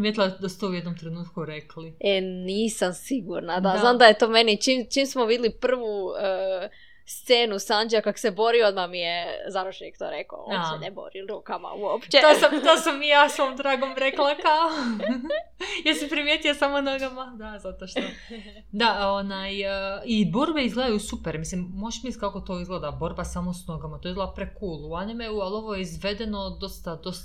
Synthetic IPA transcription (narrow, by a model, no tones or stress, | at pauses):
ɾimʲjet̪ilˠad̪asu̥t̪oujed̪nomt̪ɾenuːt̪kuɾeklieniːsamsiɡuɾnad̪aznaːmd̪ajet̪o̞me̞nit͡ʃimt͡ʃimsmoʋid̪ʲɪlipr̩ʋuə | st̪seːnusand͡ʒeakako̥se̞bo̞ɾio̞d̪mamijezaɾoʃenikt̪o̰ɾeko̰o̰t͡ʃenebo̰ɾilɾuːkama̰uopt͡ʃet̪osamt̪oːsamːijaːsʋomd̪ɾaːɡomɾeklakao | jeɾsepɾimjet̪iosamonoɡamad̪azat̪oʃt̪o | d̪aonajibo̞ɾbeizɡled̪ajusupeɾmislimːoʃmiskakot̪oːizɡlˠeːd̪abo̞ɾbasamosnoɡamat̪o̞ɡled̪apɾekuːlˠuanimeualo̞ʋojeizʋe̞d̪eno̞d̪o̞st̪ad̪o̞s